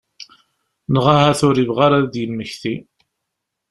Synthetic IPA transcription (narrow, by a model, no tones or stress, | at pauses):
nəʁahaθʊɾivʁaɾaðd̪jəmːəçθi